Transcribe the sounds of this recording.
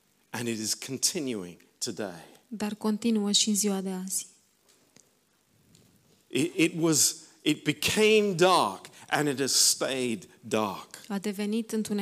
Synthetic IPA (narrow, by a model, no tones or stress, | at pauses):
ʔɨ̃nɨɾɨz̥kʰn̩tʰɪ̃njʉɪ̰̃ŋ | tʰɨdḛɪd̪arko̞nt̪inuəʃiɨnziwad̪e̞az̥ʲ | ʔɪɾɪt̚wʌzɨt̚b̥ɨkʰẽɪ̃mdɑɹkʔɨ̃nɨt̚hɨz̥steɪdːɑ̰ɹkad̪e̞ve̞nit̪ɨnt̪une